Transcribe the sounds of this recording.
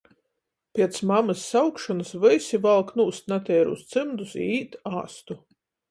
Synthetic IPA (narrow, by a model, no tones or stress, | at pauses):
pʲiɛt̪smamɨsːawkʃɔnɨsvɨjsʲivalˠknuːst̪nat̪ʲɛːɾṵst̪sɨmd̪usiːt̪a̰ːst̪u